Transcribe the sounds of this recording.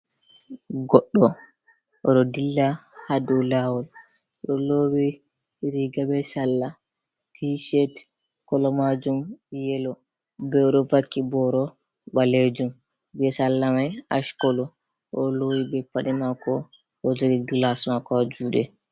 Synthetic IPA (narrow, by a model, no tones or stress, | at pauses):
ɡɔɗːɔ | ʔɔɗɔdilːahadɔlawɔlɗɔlowiɾiɡabɛsalːatiʃɛtkɔlɔmad͡ʒumjɛlɔ | bɛɔɗɔbakːibɔɾɔbaled͡ʒumbɛsalːamajaʃkɔlɔʔɔlojibɛpaɗimakɔɔd͡ʒɔɾiɡlasmakad͡ʒuːɗɛ